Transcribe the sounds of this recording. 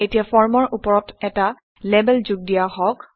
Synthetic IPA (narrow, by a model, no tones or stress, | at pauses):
etijafɔɹmɔɹʔupɔɹɔtɛta | lebɛlzuɡ̚dijahɔk